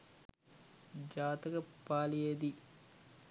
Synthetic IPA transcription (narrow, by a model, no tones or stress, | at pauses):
d͡ʒaːt̪ɐkɐpːaːlied̪i